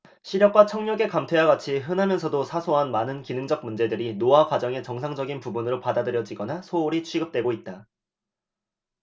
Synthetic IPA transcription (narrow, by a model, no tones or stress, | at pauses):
ɕʰiɾjʌk̚k͈wat͡ɕʰʌŋɲʌɡe̞kamtʰe̞jaɡat͡ɕʰiɦɯnɦamjʌnsʰʌdosʰasʰoɦanmanɯnkinɯŋd͡ʑʌɡ̚mund͡ʑe̞dɯɾinoakwad͡ʑʌŋe̞t͡ɕʌŋsʰaŋd͡ʑʌɡinpubunɯɾopadadɯɾjʌd͡ʑiɡʌnasʰouɾit͡ɕʰɥiɡɯp̚t͈we̞ɡoit̚t͈a